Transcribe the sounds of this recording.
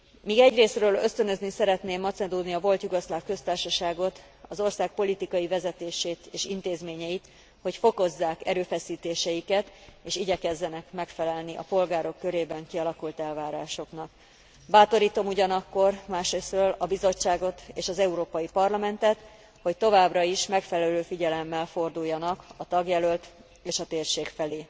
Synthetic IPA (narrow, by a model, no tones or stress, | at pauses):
miːɡɛɟreːsrøːløst̪ø̞nø̞znisɛɾɛt̪neːmːɒt̪sɛd̪oːd̪niɒvo̞lt̪juɡɒslaːfkø̞st̪aːrʃɒʃaːɡo̞t̪ | ɒzo̞rsaːk̚po̞lit̪ikɒjivɛzɛt̪eːʃeːt̪eːʃint̪eːzmeːɲɛjit̪ | ho̞cfo̞ko̞zːaːkɛɾøːfɛsiːt̪eːʃɛjikɛt̪eːʃiɟɛkɛzːɛnɛkmɛkfɛlɛlniʔɒ̰po̞lɡaːɾo̞kːø̞ɾeːbɛŋkiɒlɒkult̪ɛlvaːɾaːʃo̞knɒk | baːt̪o̞ɾiːt̪o̞muɟɒnɒkːo̞rmaːʃɾeːsrøːlɒbizo̞t͡ʃːaːɡo̞t̪eːʃɒzɛuɾoːpɒjipɒrlɒmɛnt̪ɛt̪ | ho̞ct̪o̞vaːbrɒiʃmɛkfɛlɛløːfiɟɛlɛmːɛlfo̞rd̪ujːɒnɒkɒt̪ɒɡjɛlølt̪ | eːʃɒt̪eːrʃeːkfɛleː